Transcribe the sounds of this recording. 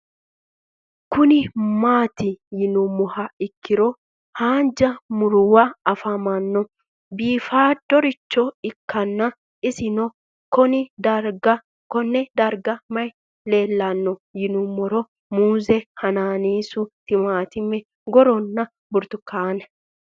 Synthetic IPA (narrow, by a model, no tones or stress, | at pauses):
kʊnɪmaːt̪ɪjɪnʊmːɔhɐɪkːɪɾɔ | haːnd͡ʒɐmʊɾʊwɐɐfɐmɐnːɔ | biːfaːd̪ɔɾɪt͡ʃːɔɪkʰːɐnːɐ | ɪsɪnɔ | kɔnɪd̪ɐɾɡɐ | kɔnːɛd̪ɐɾɡɐmɐj | le̞ːlːɐnːɔjɪnʊmːɔɾɔ | muːzɛhɐnaːniːsʊt̪ːɪmaːt̪ɪmːɛ | ɡɔɾɔnːɐ | bʊɾt̪ʊkʰːaːnɛ